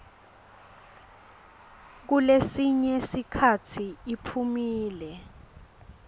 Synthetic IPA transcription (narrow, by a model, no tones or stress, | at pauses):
k̬ulesiɲɛsikʰatʰiipʰumiːlɛ